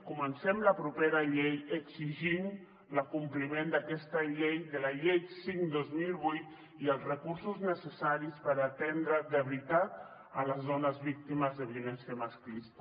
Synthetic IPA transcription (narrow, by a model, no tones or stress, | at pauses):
kumənsɛmləpɾupeɾəʎejəkziʒim | ləkumplimend̪əkɛst̪əʎejðələʎejsiŋd̪ozmilˠβujt̪ | iəlˠzrəkuɾsuznəsəsaɾispəɾat̪ɛnd̪ɾəðəβɾit̪at̪̚ | ələzðɔnəzβik̚t̪iməzðəβiəlɛnsjəmasklist̪